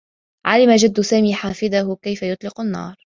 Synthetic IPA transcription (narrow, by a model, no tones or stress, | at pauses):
ʕa̰lɪmad͡ʒad̪ːʊsaːmiːħaːfɪd̪ahʊkajfajʊt̪ˤlɪqanːɑ̰ːɾˤ